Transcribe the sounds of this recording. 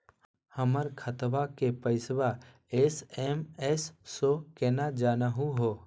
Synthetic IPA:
həməɾkʰət̪bakepəɪsba | eːsemɛsːokeːnad͡ʒaːnaɦũɦoː

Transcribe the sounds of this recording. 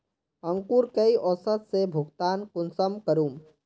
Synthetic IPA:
ə̃ŋkuːɾkəiʔɔsət̪sebʱʊɡt̪aːnkʊnsəmkəɾuːm

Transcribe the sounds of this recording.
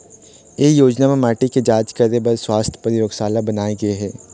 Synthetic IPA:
eːjoːd͡ʒnamẽmaːʈiked͡ʒaːt͡ʃkɐɾd̪ebɐɾswaːst̪ʰə̥pəɾɪɾoːɡsaːlabɐnaːeɡɐeɦɛː

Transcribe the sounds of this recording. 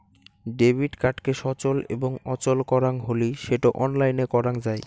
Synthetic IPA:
ɖebʱiɖkaʈkeʃɔt͡ɕolḛboŋɔt͡ɕolkɔɾaŋɦoliʃeʈoʔɔnlajnekɔɾaŋd͡ʑaj

